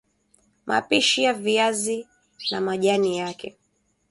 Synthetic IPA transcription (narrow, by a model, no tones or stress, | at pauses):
mʔa̰piʃiaviazi | namaʄanijakɛ